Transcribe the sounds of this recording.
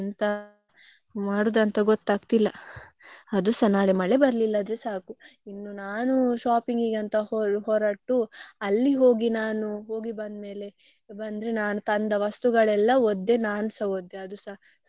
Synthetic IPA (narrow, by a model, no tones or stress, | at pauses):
nt̪ɐ | maːɽuːd̪ɐnt̪ɐɡot̪ːaːɡt̪ilːɐ | ɐd̪usɐnaːɭemɐɭebɐɾɐlilːɐːd̪ɾesaːkuinːunaːnuʃaːpiŋɡiːɡɐnt̪ɐoɦoːɾaːʈːuɐlːiɦo̞ːɡinaːnuɦo̞ːɡibɐnd̪me̞ːle̞ | bɐnd̪ɾenaːnut̪ɐnd̪ɐʋɐst̪uɡɐɭɛlːɐod̪ːe̞naːnsɐod̪ːeɐd̪usa